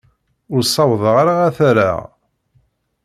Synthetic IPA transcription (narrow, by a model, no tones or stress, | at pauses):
ʊɾsˤːɑwðˤəʁaɾaʁæθæɾa̰ʁ